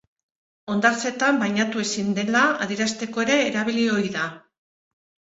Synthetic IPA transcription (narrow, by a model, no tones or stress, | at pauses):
o̞nd̪aɾt͡se̞t̪ambajɲat̪ue̞sind̪e̞laaðiɾast̪e̞ko̞e̞ɾe̞ːɾaβ̞ilio̞ɾiða